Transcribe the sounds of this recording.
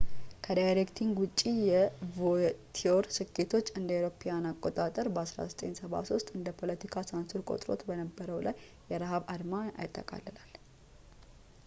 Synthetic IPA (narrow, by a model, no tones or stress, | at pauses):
kʰəd̪ajɾekt̪ʰiŋɡwʊt͡ʃʼːijɛvot̪ʰioɾsɨkʰːe̞t̪ʰo̞t͡ʃːɨnd̪əwɾo̞pʰijanakʼːo̞t̪ʼat̪ʼəɾbəasɾa̰zət̪ʼe̞̰nsəβa̰so̞st̪ʼɨnd̪əpʰo̞lət̪ʰikʰasansuɾkʼo̞̰t̪ʼɾo̞̰t̪bənəbːəɾəwlajː | ɛɾaɦaβad̪maa̰jɪt̪ʰːəkʼa̰lːəlal